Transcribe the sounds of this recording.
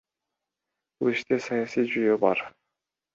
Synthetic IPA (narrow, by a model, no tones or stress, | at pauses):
b̥ulˠiʃt̪esɑjɑsijd͡ʒyjøbɑɾ